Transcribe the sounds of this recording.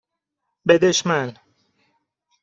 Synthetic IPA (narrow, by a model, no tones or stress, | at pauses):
bed̪eʃmæn